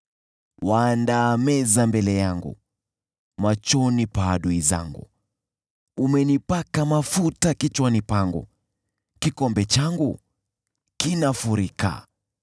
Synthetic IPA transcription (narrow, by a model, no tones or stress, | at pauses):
waːndamɛzambɛlɛjaŋɡṵ | mat͡ʃɔnipaːɗuiza̰ŋɡṵ | umɛnipakamafutakit͡ʃwanipaŋɡṵ | kikɔmbɛt͡ʃaŋɡu | kinafuɾika̰